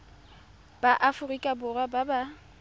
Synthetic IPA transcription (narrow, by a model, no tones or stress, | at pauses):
b̥aʔafʊrikʼabʊrwababa